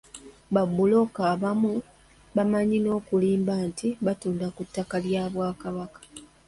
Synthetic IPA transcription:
βabːulo̞kaːβamu | βamaɲino̞ːkuliːmbaːntiβatuːndakutːakaljaːβwaːkaβakḁ

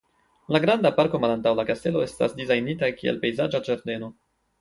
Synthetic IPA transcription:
laɡɾandapaɾko̞malantawlakaste̞lo̞e̞sta̰sdizajnitakiḛlpe̞jzad͡ʒad͡ʒaɾde̞no̞

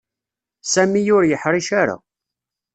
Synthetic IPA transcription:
sæmijʊɾjəħɾˤiʃaɾa̰

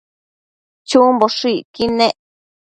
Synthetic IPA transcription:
t͡ʃũmboʂikinẽʔ

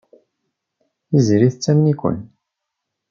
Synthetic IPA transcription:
izɾiθt͡sːæmnikʷə̰n

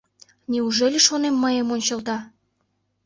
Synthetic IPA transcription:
nʲeuʒelʲeʃonemːəjəmonʲt͡ɕə̆lt̪ɑ

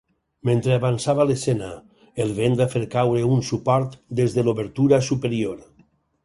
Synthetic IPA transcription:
ment̪ɾeaβansaβalesena | elˠβend̪afeɾkawɾeunsupɔɾt̪d̪ezðeloβeɾt̪uɾasupeɾioɾ

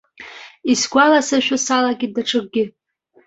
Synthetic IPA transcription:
isɡʷalasaʃʷᶣʊsalaɡʲɪdaʈ͡ʂʰɨk̚ʷʼɡʲɪ

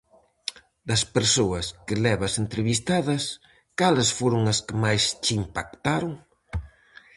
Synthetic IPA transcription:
d̪ɐspeɾsoɐskɪlɛβɐsent̪ɾeβist̪aðɐs | kalɐsfoɾoŋɐskɪmajst͡ʃimpak̚t̪aɾoŋ

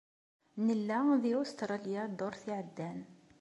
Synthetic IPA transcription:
nəlːæðiost̪ɾˤɑljad̪ʊɾθiʕəd̪ːæn

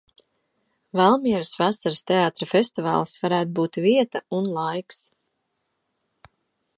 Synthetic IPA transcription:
valˠmiɛɾɨsvasaɾst̪eaːt̪ɾafest̪iva̰ːlˠsvaɾæːt̪̚buːt̪viɛt̪aunlˠajks

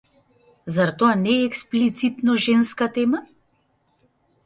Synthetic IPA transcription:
zaɾt̪oanɛːksplit̪sit̪nɔʒenskat̪ɛma

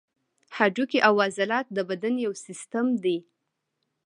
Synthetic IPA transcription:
had͡ʒukiʔawːɑzalɑt̪̚d̪əbad̪anjawsɪst̪amd̪i

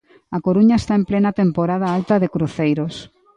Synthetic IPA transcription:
ɐkoɾuɲaest̪aemplenɐt̪empoɾað̞ɐalt̪ɐðɪkɾuθejɾos

